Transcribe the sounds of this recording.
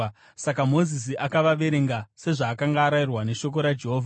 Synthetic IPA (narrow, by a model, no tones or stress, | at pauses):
sakamo̞zis̬iʔakaʋaʋe̞ɾe̞ŋɡase̞ʐaːkaŋɡaːɾajirwane̞ʃo̞k̬o̞ɾad͡ʒe̞ɦoːvʱa